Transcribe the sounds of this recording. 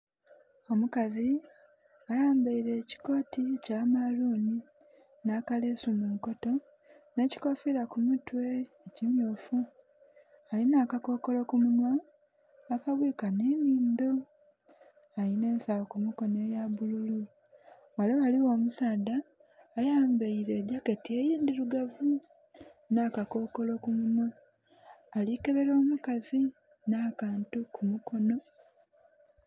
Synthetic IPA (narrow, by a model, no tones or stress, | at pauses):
o̞mukazi | ajaːmbaiɾe̞ːci̥ko̞ːticamaluːni | naːkale̞sumuŋko̞to̞ | ne̞ci̥ko̞filakumutwe̞ː | ciɲoːfu | alinaːkako̞ko̞lo̞kumunwa | akaβwiːkaneniːndo̞ | aline̞ːnsawokumuko̞ne̞ːjaβululu | waleβaliwo̞ːmusaːdaː | jaːmbeiɾe̞ːɟaketiejiːndiɾuɡavu | naːkako̞ko̞lo̞kumunwaː | like̞βe̞ɾo̞ːmukazi | naːkaːntukʰumuko̞no̞